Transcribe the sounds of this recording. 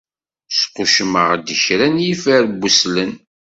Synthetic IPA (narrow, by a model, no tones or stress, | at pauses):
sqʊʃməʁd̪içɾænjifəɾbːuslən